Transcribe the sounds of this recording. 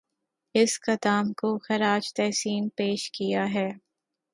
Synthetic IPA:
ɪskɐt̪aːmkoxɐɾaːd͡ʒt̪ɛːsiːnpeːʃkijaɦɛː

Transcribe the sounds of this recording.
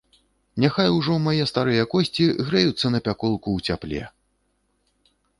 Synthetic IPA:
nʲaxajuwʐɔmajɛst̪aɾɨjɐkɔsʲt͡sʲiɣɾɛjut̪sːɐnɐpʲakɔlˠkuwt͡sʲaplʲɛ̰

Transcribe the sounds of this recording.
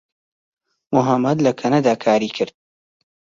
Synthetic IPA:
mʊɦɐmːɐd̪lɐkʰɐnɐd̪aːkʰaːɾiːkʰɨɾd̪̥̚

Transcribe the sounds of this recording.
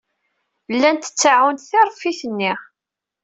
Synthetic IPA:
lːænt̪ə̥t͡sːaʕunt̪θɪɾˤfiθənːiʁ

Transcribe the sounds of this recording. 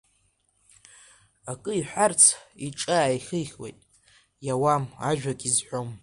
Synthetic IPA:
akʼɨiħʷart͡sʰiʈ͡ʂʼaːiχɨjχʲwḛjtʼ | jawamaʒᶣakʲʼizħʷᶣom

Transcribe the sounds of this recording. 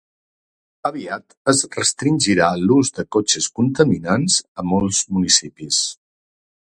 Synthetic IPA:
əβiat̪əzrəst̪ɾinʲʒiɾaluzðəkot͡ʃəskunt̪əminanzəmɔlˠzmunisipis

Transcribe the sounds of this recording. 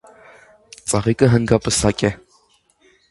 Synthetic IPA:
t͡sʼaʁikʼəɦənɡapʼəsakʲʼɛ

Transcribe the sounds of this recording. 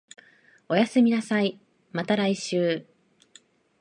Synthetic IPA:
o̞jasɨmʲinasai | mat̪aɾaiɕɨː

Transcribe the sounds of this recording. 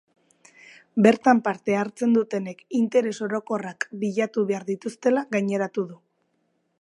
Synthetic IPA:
be̞ɾt̪ampaɾt̪e̞aɾt͡se̞nd̪ut̪e̞ne̞kint̪e̞ɾe̞so̞ɾo̞ko̞rakbiʎat̪uβe̞aɾðit̪ust̪e̞laɣajɲe̞ɾat̪uðu

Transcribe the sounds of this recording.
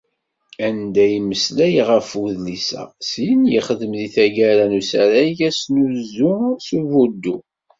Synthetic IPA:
ænd̪æjməslæjʁəfuðlisæ̰sijənjiχəðəmðiθæʝæɾanusæɾæʝæsnuzusuvud̪ːu

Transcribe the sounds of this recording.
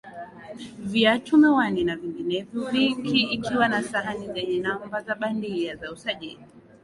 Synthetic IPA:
vjatumɛwaninaviŋɡinɛvjɔvikiːkʰiwanasaɦanizɛɲɛnamvazaɓandiazausaʄili

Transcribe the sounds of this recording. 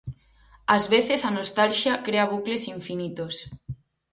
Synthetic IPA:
azβeθesanost̪alʃjakɾeaβ̞uklesiɱfinit̪os

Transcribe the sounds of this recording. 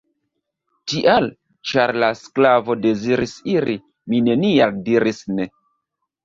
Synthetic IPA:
tiʔal | t͡ʃaɾlasklavo̞de̞ziɾisiɾi | mine̞nialdiɾisne̞

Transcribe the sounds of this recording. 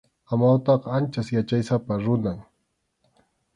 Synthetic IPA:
amawt̪ɑqɑant͡ʃasjat͡ʃajsapaɾʊnaŋ

